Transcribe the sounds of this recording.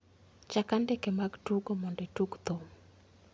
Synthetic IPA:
t͡ʃakandɛkemaɡtuɡomɔndetuɡt̪om

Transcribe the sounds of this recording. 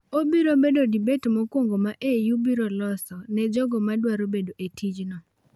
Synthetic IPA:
obiɾobedodibetmɔkwoŋɡomaʔejubiɾɔlɔsɔnɛd͡ʒɔɡɔmadwaɾobedoʔetʰid͡ʒnɔ

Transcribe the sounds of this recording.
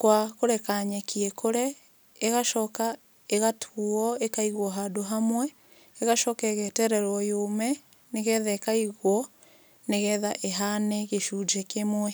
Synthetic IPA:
kwakoɾɛkaɲɛkiɛkʰoɾɛ | eɣaʃɔka | eɣatʰuɔekaiɣwɔɦadoɦamwɛ | eɣaʃɔkɛɣɛtɛɾɛɾwɔjomɛ | neɣɛðaekaiɣwɔ | neɣɛðaʔeɦanɛɣeʃud͡ʒɛkemwɛ

